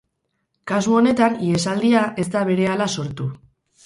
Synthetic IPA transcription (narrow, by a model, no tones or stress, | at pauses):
kasuo̞ne̞t̪aniesald̪iaʔe̞zd̪aβe̞ɾe̞alaso̞ɾt̪u